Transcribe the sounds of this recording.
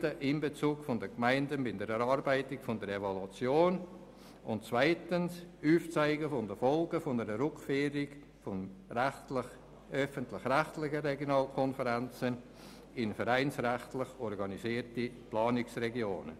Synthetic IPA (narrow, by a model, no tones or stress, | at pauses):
dəʔɪmbet͡suːkfʊndəkmaɪndənbɪndəɾɛɾɑɾbaɪtɪkfʊndəɾevolut͡sjoːn | ʊntt͡svaɪtənsuːft͡saɪɡəfʊndəfɔlɡəfʊnəɾəɾʊkfeːɾɪɡ | fʊnɛtlɪ | œfəntlɪxrɛχtlɪχəɾɛɡjonɑːlkʰɔnfəɾɛnt͡sən | ɪnfəɾaɪnsrɛχtlɪχɔɾɡɑniziːəɾtiplɑːnɪksrɛɡjoːnə̰